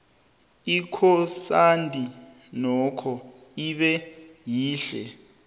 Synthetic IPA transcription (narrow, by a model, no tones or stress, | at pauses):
ikʰɔsandʱʼi | nɔkʰɔ | iɓɛjiːɬɛ̰